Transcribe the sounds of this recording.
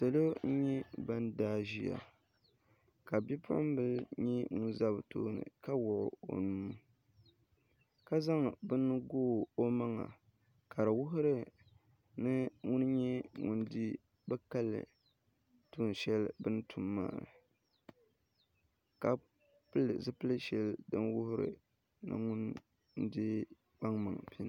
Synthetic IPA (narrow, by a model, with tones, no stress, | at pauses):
sa˨lo˦ɲɛ˦ba˦ndaː˦ʒi˦ja̰˨ | ka˨bi˦pʊ˦ʔʊ˦m˦bɨ˦ɲɛ˦ŋʊ˦nza˦bto̰ː˦nɨ̰˨ka˦wʊ˨ʔʊ̰˨o̰˨nu˦m˦ | ka˦za˦ŋbɨ˦nːɨ˦ɡoː˦o˦ma˦ŋa̰˨ | kʰa˨ɾɨ˨wʊ˦ɦʊ˦ɾɨ˦ | nɨ˦ŋʊ˦nɲɛ˦ŋu˦ndi˦ | bɛ˦ka˦lːɨ̰˨ | tu˦˨n˨ʃɛ˦lbɨ˦n˦tu˨mːa̰ː˦˨ɾɨ̰˨ | ka˨ | plzɨ˦pɨ˦lɨ˦ʃɛ˨ldɨ˦nwʊ˦hʊ˦ɾɨ̰˨ | nɨ̰˦ŋʊ˦n̩˦ | dɪ˦ | k͡pa˦ŋma̰˨ŋpi˦n˦